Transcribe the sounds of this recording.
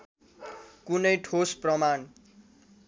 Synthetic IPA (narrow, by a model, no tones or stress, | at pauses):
kunʌjʈʰosprʌman